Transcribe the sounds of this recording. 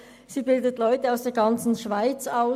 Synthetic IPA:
siːbɪldətlɔʏtəaʊsd̥eːɐɡɑnt͡sn̩ʃv̥aɪt͡saʊ

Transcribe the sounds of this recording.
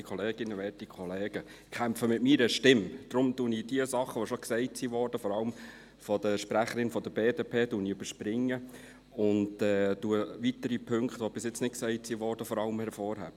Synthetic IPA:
kʰχɔleːɡ̥ɪnːəʋɛːtikʰχɔleːɡ̥ə | kʰæmfəmɪtmiːɾəʃtɪmd̥ɾʊmtunid̥iəsɑχːəʋoʃɔksɛɪtsiːʋɔːɾd̥əfɔɾɑləm | fɔd̥əʃpɾæχəɾɪnfɔd̥̪əbeːdepʰeːduːniøbəɾʃprɪŋːə | ʊndɛːd̥uəʋit̪əɾipʰɵŋkχt̪ʋob̥ɪsjɪt͡snɪt̚ksɛɪtsiːʋɔːɾd̥əfɔɾɑləmhɛɾfɔːɾhæ̰̥ː

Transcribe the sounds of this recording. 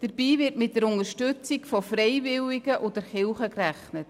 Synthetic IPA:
d̥əɾb̥iːvɪɾtmɪt̚d̥əɾʊnəɾʃtʉt͡sɪkfɔfrɛɪvɪlɪɡəʔodəɾχɪlχəkræχnət

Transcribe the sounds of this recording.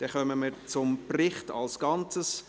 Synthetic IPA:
d̥ɛχœməməɾt͡sʊmprɪχtɑ̰lsɡ̥ɑnt͡səs

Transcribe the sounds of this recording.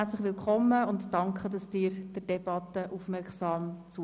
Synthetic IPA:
æt͡sləχʋɪlkʰχɔmːəʊntdɑŋkχədɑsd̥ɪːɾd̥əd̥ɛb̥ɑt̪ːəʔufmɛɾksɑːmt͡su

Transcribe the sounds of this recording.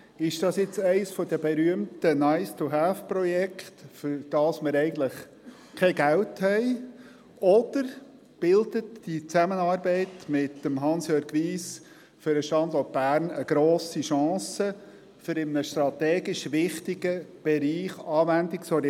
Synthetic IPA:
ɪʃd̥ɑsjɪt͡sɛɪsfɔdəbɛɾyəmtənaɪst̪uɦæːfprɔjɛkχt̪fʏɾd̥ɑːsməɾɛɪɡən̩tləχ | kʰɛɡæwthɛɪ | ɔd̪̥əɾ | b̥ɪld̪ətd̥it͡sæmənɑːɾbɛɪtmɪt̪ːəmɦɑnsjøːɾɡʋiːs | fʏɾəʃtɑnd̪ɔt̚b̥æːɾnəɡ̥ɾoːsiʃɑ̃ːsə | fʏɾɪmənəʃtɾɑt̪ɛːɡɪʃʋɪχt̪ɪɡ̥əb̥ɛɾiːχɑːʋændɪksɔɾ

